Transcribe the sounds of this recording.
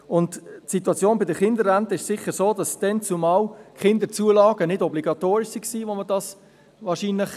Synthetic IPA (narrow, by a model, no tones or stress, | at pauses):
ʊnttsituɑt͡sjoːnbɪdəχɪndəɾːæntəɪʃsɪχəɾsoːdɑsd̥ɛnt͡sumɑːlkχɪndət͡suəlɑːɡ̥ənɪdɔbliɡ̥ɑt̪oːɾɪʃsiksiːʋomədɑs | ʋɑːɾʃiːnlɪχ